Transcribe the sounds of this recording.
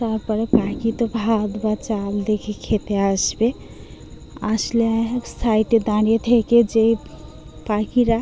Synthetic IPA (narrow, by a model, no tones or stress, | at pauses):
saɾpəɾepakit̪ɔbʱad̪bət͡ʃald̪ekʰekʰet̪easbe | aslesʰaiʈed̪añjet̪ʰeked͡ʒe | pakiɾa